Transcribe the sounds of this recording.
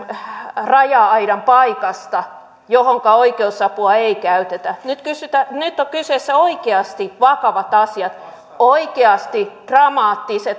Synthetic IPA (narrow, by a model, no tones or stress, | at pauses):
rɑjɑɑiɾɑmpɑikɑst̪ɑ | johoŋkɑoikeusɑpuɑeikæyt̪et̪ænyt̪kysyt̪ænyt̪ːokysesːæoikeɑst̪iʋɑkɑʋɑt̪ɑsiɑt̪ | oikeɑst̪id̥rɑmɑːt̪ːiset̪